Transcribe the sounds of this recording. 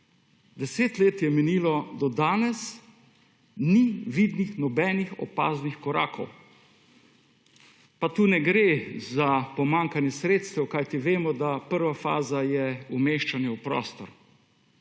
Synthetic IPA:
d̪ɛseːt̪leːt̪jɛmɛniːlɔd̪ɔd̪aːnɛs | niʋid̪nixnɔbɛːnixɔ̰pa̰ːznixkɔɾa̰ːkʰɔ̰w | pat̪uːnɛɡɾeːzapɔmaŋkanjɛsɾeːt̪st̪ɛwkajt̪iʋeːmɔd̪apəɾʋafa̰ːzajɛumeːʃt͡ʃanjɛwpɾɔ̰ːst̪ɔɾ

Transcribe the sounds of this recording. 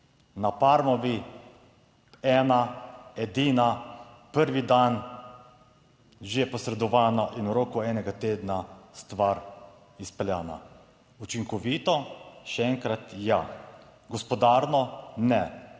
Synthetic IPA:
napaːɾmɔʋi | ɛːnaɛd̪iːna | pəɾʋid̪an | ʒejɛpɔsɾɛd̪ɔʋaːnaʔinwɾoːkuɛːnɛɡat̪eːd̪nast̪ʋaɾ | ispɛljaːna̰ | ut͡ʃiŋkɔʋiːt̪ɔʃɛɛŋkɾat̪jaɡɔspɔd̪aːɾnɔnɛ

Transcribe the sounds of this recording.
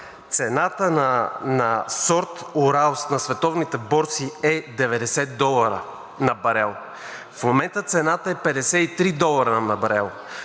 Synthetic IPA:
t̪sɛnat̪ənanɐsɔɾt̪ʊɾalˠsnɐsvɛt̪ɔvnit̪ɛbɔɾt̪siɛd̪ɛvɛd̪ɛsɛt̪̚d̪ɔlˠɐɾə̰ | nɐbɐɾɛlˠ | fmomɛnt̪ət̪sɛnat̪əɛpɛd̪ɛsɛit̪ɾid̪ɔlˠɐɾənanɐbɐɾɛlˠ

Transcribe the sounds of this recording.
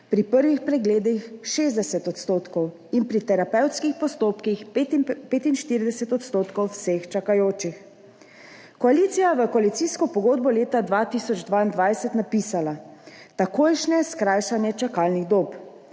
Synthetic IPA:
pɾipəɾʋixpɾɛɡleːd̪ixʃeːzd̪ɛsɛt̪ɔt̪st̪oːt̪kɔw | inpɾit̪ɛɾapɛwt̪skixpɔst̪oːpkixpeːt̪inʃt̪iɾid̪ɛsɛt̪ɔt̪st̪oːt̪kɔwwsext͡ʃakajoːt͡ʃix | kɔaliːt̪sijaʋəkɔalit̪siskɔpɔɡoːd̪̚bɔleːt̪ad̪ʋat̪isɔd͡ʒd̪ʋaːind̪ʋajsɛt̪napiːsala | t̪akoːjʃnɛskɾaːjʃanjɛt͡ʃakaːlniɣd̪oːp

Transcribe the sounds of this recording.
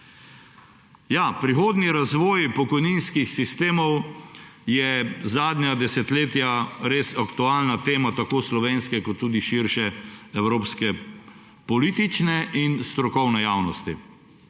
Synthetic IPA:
japɾixoːd̪niɾazʋɔːjpɔkɔjninskixsist̪eːmɔw | jɛzaːd̪nʲad̪ɛsɛt̪leːt̪jaɾesakt̪uaːlnat̪eːmat̪akoːslɔʋeːnskɛkɔt̪ːuːd̪iʃiɾʃɛɛwɾoːpskɛ | pɔlit̪it͡ʃnɛʔinst̪ɾɔkɔwnɛjaːwnɔst̪ḭ

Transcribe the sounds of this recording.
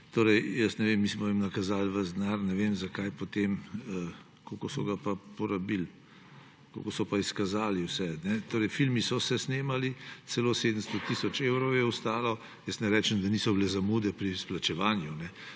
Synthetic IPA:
t̪oːɾɛjjəsnɛʋemːiːsmɔimnakazaːlʋəzd̪naɾnɛʋemzakajpot̪emə | kokosɔɡapapɔɾabil | ko̰kosɔpaiskazaːliwsɛnɛt̪oːɾɛjfilmisɔsɛsneːmalit̪sɛloseːd̪əmst̪ɔt̪isɔt͡ʃewɾɔwjɛust̪aːlɔ | jəsnɛɾɛːt͡ʃɛmd̪aniːsɔbilɛzamuːd̪ɛpɾisplat͡ʃɛʋaːnjunɛ

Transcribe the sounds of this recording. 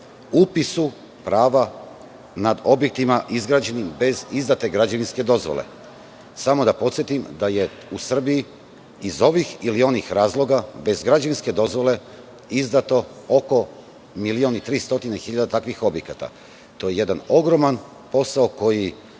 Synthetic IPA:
upisu | pɾaːʋa | nad̪o̞bje̞k̚t̪imaʔizɡɾaːd͡ʑe̞nimbe̞zizd̪at̪e̞ɡɾad͡ʑaʋinske̞d̪o̞zʋo̰lḛ | samo̞d̪apo̞t̪sjet̪imd̪aje̞ | usr̩biji | izo̞ʋixilio̞nixɾaːzlˠo̞ɡabe̞zɡɾad͡ʑaʋinske̞d̪o̞zʋo̞le̞ | izd̪at̪o̞ | oko̞ | milionit̪ɾiːst̪o̞t̪inexiʎad̪at̪akʋixo̞bje̞kat̪a̰ | t̪o̞ːjeje̞d̪ano̞ɡɾo̞man | po̞saoko̞ji

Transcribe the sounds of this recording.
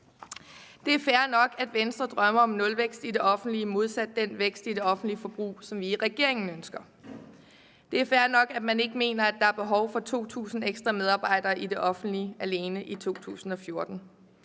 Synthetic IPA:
d̥e̝æɐfæɐnɒ̽ɡ̥æd̥ʋensd̥ʁɐd̥ʁɶmɐɒ̽mnɔ̽lʋeɡ̥sd̥ide̝ʔɒ̽fn̩d̥liəmo̝ð̞ˠsæd̥ːenʋeɡ̥sd̥ide̝ɒ̽fn̩d̥lifɒ̽b̥ʁṵːsɒ̽mʋiʁɛɡ̥e̝ɐ̰e̝ŋn̩ønsɡ̥ɐ | d̥e̝æɐfæɐnɒ̽ɡ̥æd̥mæne̝ɡ̥əme̝̰ːnɐæd̥ɑ̈æɐb̥e̝ɦɒ̽ʊfɒ̽t͡sʰo̝̰ːt͡sʰṵːsn̩eɡ̥sd̥ʁɑmeð̞ˠɑ̈ːb̥ɑ̈ɪ̰d̥ɐːʔide̝ʔɒ̽fn̩d̥liʔæle̝ːnəʔit͡sʰo̝̰ːt͡sʰṵːsn̩ɒ̽fjo̝ɐd̥n̩

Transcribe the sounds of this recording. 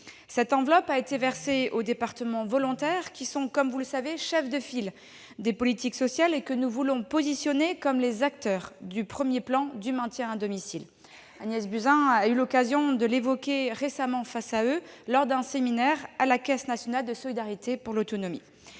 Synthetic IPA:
sɛt̪ɑ̃vlɔpaet̪evɛʁseod̪epaʁt̪əmɑ̃vɔlɔ̃t̪ɛʁkʲisɔ̃kɔmvuləsaveʃɛfd̪əfil | d̪epɔlit̪iksɔsjalekənuvulɔ̃pozisjɔnekɔmlezak̚t̪œʁd̪ypχəmjeplɑ̃d̪ymɛ̃t̪jɛ̃ɛ̃d̪ɔmisil | anjɛsbyzɛ̃aylɔkazjɔ̃d̪əlevɔkʲeʁesamɑ̃fasaølɔʁd̪ɛ̃seminɛʁalakʲɛsnasjɔnald̪əsɔlid̪aʁit̪epuʁlot̪ɔnɔmḭ

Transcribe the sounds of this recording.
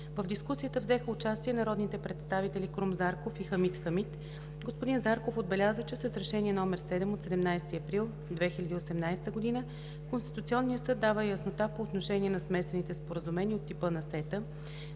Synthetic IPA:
vəvd̪iskusijət̪əvzɛxəʊt͡ʃast̪iɛnɐɾɔd̪nit̪ɛpɾɛt̪st̪avit̪ɛlʲikɾumzaɾkofixəmit̪xəmit̪ | ɡospod̪inzaɾkofod̪̚bɛlʲazət͡ʃɛsɛsɾɛʃɛniɛnɔmɛɾsɛd̪ɛmot̪sɛd̪ɛmnajst̪iɐpɾilˠ | d̪vɛxilʲɐd̪iosɛmnajst̪əɡod̪inə | konst̪it̪ut̪siɔnːijəsɤd̪ːavəjəsnot̪apoːt̪noʃɛniɛnɐsmɛsɛnit̪ɛspoɾəzumɛnʲiːot̪ːipənɐsɛt̪ə

